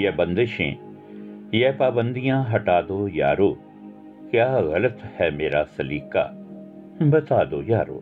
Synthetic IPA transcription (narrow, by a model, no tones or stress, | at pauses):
jɛbɐ̃nd̪ɪʃḛ̃ː | jɛpaːbə̃nd̪ijãɦɐʈaːd̪oja̰ːɾoː | kjaːɣɐlət̪hɛmeːɾasɐliːka̰ː | bɐt̪aːd̪oːjaːɾo̰ː